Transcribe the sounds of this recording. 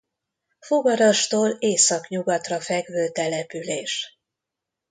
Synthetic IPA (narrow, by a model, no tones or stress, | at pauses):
foɡɒɾɒʃt̪oːleːsɒkɲuɡɒt̪rɒfɛɡvøːt̪ɛlɛpyleːʃ